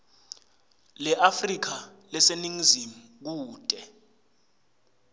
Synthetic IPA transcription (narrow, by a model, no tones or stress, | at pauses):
lɛʔafrik̬alɛseniŋizimuk̬uːtʼɛ